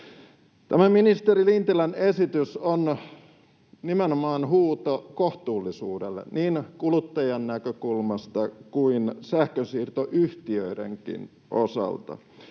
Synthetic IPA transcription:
t̪æmæminist̪eɾilint̪ilænesit̪yson | nimenomɑːnhuːt̪okoht̪uːlːisuːdḛlːḛnniːnkulut̪ːɑjɑnːækøkulmɑst̪ɑkuinsæhkøsiːrt̪oʔyht̪iøidḛŋkḭn | ʔo̰sɑ̰lt̪ɑ̰

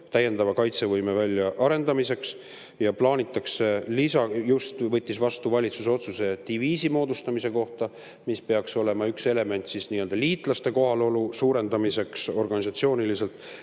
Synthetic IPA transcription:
t̪æjːe̞nd̪ɑvɑkɑjt̪se̞vɤjme̞vælʲːjɑʔɑɾe̞nd̪ɑmise̞ks | jɑplɑːnʲit̪ːˑɑkselisɑjust̪vɤ̞t̪ːisvɑst̪uvɑlʲit̪suseo̞t̪suse̞t̪iviːsimo̞ːd̪ust̪ɑmise̞ko̞ht̪ɑ | mispe̞ɑkso̞le̞mɑykse̞le̞me̞nt̪sisniːøld̪ɑliːt̪ˑlɑst̪e̞ko̞ɦɑlo̞lusuːɾe̞nd̪̥ɑmise̞kso̞rɡ̥ɑnʲisɑt̪sio̞ːnilise̞lt̪ˑ

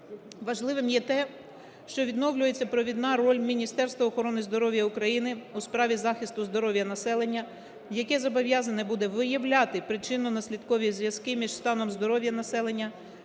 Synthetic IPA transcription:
ʋɐʒlˠɪʋɪmjɛt̪ɛ | ʃt͡ʃɔʋʲid̪nɔwlʲʊje̞t͡sʲːɐpɾɔʋʲid̪nɑɾɔlʲmʲinʲist̪ɛrst̪ʋɐːxɔɾɔnɪzd̪ɔɾɔʋʲjɐukɾɐjinɪuspɾɑʋʲizɑxʲist̪ʊzd̪ɔɾɔʋʲjɐnɐsɛlˠenʲːɐ | jɐkɛzɔbɔʋʲjɑzɐnɛbud̪ɛʋɪjɐwlʲat̪ɪpɾɪt͡ʃɪnʊnɐsʲlʲid̪kɔʋʲizʋʲjɐskɪmʲiʒst̪ɑnɔmzd̪ɔɾɔʋʲjɐnɐsɛlˠenʲːɐ

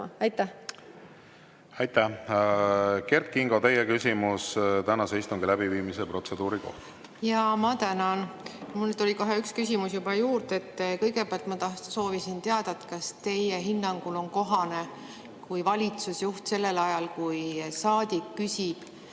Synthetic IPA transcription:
ɑjt̪ːæh | ɑjt̪ːæh | ke̞rt̪̚kiŋɡ̥o̞t̪e̞jekysʲimust̪ænɑseijst̪uŋɡ̥ilæb̥iviːmisepro̞t̪sed̪̥uːɾiko̞̰ht̪ | jɑmɑt̪ænɑnmulnyt̪o̞lʲiko̞ɦeykskysʲimusjubɑjuːɾd̪e̞t̪ːkɤjɡe̞peɑlt̪mɑt̪ɑhso̞ːvisint̪eɑd̪̥ɑt̪kɑst̪e̞jeɦinːɑŋɡ̥ulo̞nko̞ɦɑne̞ | kujvɑlʲit̪susjuht̪se̞lːe̞lɑjɑlkujsɑːd̪̥ikːysʲib̥

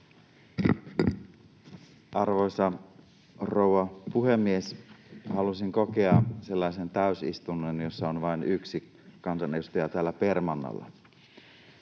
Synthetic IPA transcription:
ʔɑrʋo̞jsɑ | rowʋɑpuhe̞mːie̞shɑlusiŋko̞keɑse̞lːɑise̞nt̪æysḭst̪unːenjo̞sːɑonʋɑinyksi | kɑnsɑnejust̪ɑjɑt̪æːlːæpermɑnːɑ̰lːɑ̰

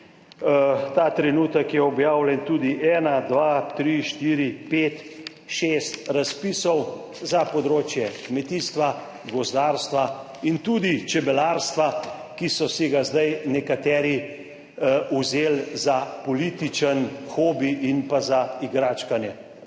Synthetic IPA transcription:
t̪aːt̪ɾɛnuːt̪əkjɛɔbjaːwlʲɛnt̪uːd̪iʔɛːnad̪ʋat̪ɾiʃt̪iːɾipet̪ | ʃeːst̪ɾaspiːsɔw | zapɔd̪ɾoːt͡ʃjɛkmɛt̪iːst̪ʋa | ɡɔzd̪aːɾst̪ʋa | int̪ud̪it͡ʃɛbɛlaɾst̪ʋa | kisɔsiɡazd̪ajnɛkat̪ɛːɾi | uzeːlzapɔliːt̪it͡ʃənxoːbiʔinpazaiɡɾaːt͡ʃkanjɛ

